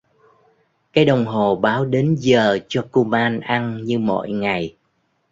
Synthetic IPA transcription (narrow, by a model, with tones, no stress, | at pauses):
kaː˨˦jɗə˨˩wŋ͡mɦo˨˩ɓaː˨˦wɗe˨˦nzəː˨˩t͡ɕɔ˧ku˧maː˧nʔa˧nɲɨ˧mo̰˧˨jŋa˨˩j